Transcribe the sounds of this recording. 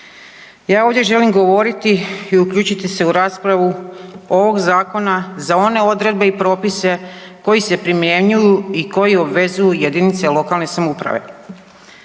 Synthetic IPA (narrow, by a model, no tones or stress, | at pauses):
jaːo̞ːʋdje̞ʒe̞limɡo̞ʋo̞ɾit̪iiuklʎʲuːt͡ɕit̪ise̞uɾaːspɾaʋuo̞ʋo̞ɡzaːko̞nazao̞ne̞o̞d̪ɾed̪̚be̞ipɾo̞ːpise̞ | ko̞jise̞pɾimje̞ɲujuiko̞jio̞bʋe̞zujuje̞d̪init̪selo̞kalne̞samupɾa̰ʋe̞̰